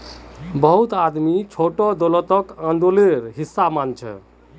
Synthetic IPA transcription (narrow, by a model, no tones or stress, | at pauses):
bəɦut̪ad̪mit͡ʃʰoʈɔd̪olɔt̪ɔkãnd̪oleɾɦisːamant͡ʃʰɛ̰